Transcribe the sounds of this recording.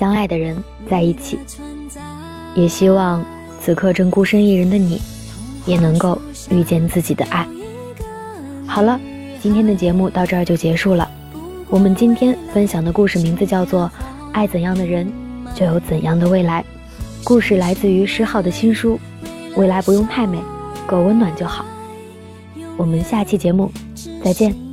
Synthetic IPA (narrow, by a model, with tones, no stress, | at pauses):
ɕjɑ˥ŋa˥˩ɪd̪ə˩ɻə˧˥n | t͡sa˥˧ɪi˥˩t͡ɕʰḭ˨˩˦ | jɛ˨˩ɕi˥wɑ˥˧ŋ | t͡sʰɹ̩˨˩kʰɤ˥˧ʈ͡ʂɤ˥˩ŋku˥ʂə˥ŋi˥˩ɻə˧˥nd̪ə˧nḭ˨˩˦ | jɛ˨˩nɤ˧˥ŋko˥˧ʊ | y˥˧t͡ɕjɛ˥˧nt͡sɹ̩˥˩t͡ɕi˨˩d̪ə̰˦ʔa˥˩ɪ | xɑ˨˩ʊlə˦ | t͡ɕi˥nt̪ʰjɛ˥nd̪ə˨t͡ɕjɛ˧˥mu˥˧t̪ɑ˥˧ʊʈ͡ʂɤ˥˧˩t͡ɕjo˥˩ʊt͡ɕjɛ˧˥ʂu˥˩lə̰˩ | wɔ˨˩mə˦nt͡ɕi˥nt̪ʰjɛ˥nfə˥nɕjɑ˨˩ŋd̪ə˦ku˥˧ʂɻ̩˥˩mi˧˥ŋd͡zɹ̩˧t͡ɕjɑ˥˧ʊt͡swɔ˥˧˩ | a˥˩ɪt͡sə˨˩njɑ˥˩ŋd̪ə˩ɻə˧˥nt͡ɕjo˥˩ʊjo˧˥ʊt͡sə˨˩njɑ˥˩ŋd̪ə˨˧we˥˩ɪla˧˥ɪ | ku˥˧ʂɻ̩˥˩la˧˥ɪt͡sɹ̩˥˩y˧˥ʂɻ̩˧˥xɑ˥˩ʊd̪ə˩ɕi˥nʂu˥ | we˥˩ɪla˧˥ɪpu˧˥jʊ˥˧ŋp̪ʰa˥˩ɪme˨˩˦ɪkɔ˥˩wə˧˥nnwa˨˩nt͡ɕjo˥˩ʊxɑ˨˩˦ʊ | wɔ˨˩mə˦nɕja˥˧t͡ɕʰi˥˩t͡ɕjɛ˧˥mu˥˧ | t͡sa˥˧ɪt͡ɕjɛ˥˩n